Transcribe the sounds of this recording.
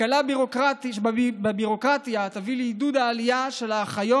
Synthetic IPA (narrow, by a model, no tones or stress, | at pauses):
alabiʁo̞kʁat̪ibebiʁo̞kʁat̪jat̪avileid̪ud̪aːlijaʃe̞laːχajo